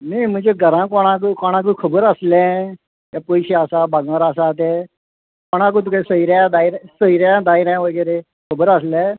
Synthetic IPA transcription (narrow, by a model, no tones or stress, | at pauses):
niim̤ə̃d͡zeɡʱəɾãkɔɽ̃ãkukɔɽ̃ãk̬ukʰəbəɾəslɛ̃ | japojɕeasabaɡãɾasat̪̬e | kɔɽ̃ãk̬ut̪ukasəiɾãd̪aiɾsəiɾjãd̪aiɾãʋəɡəɾe | kʰəbəɾəslɛ̃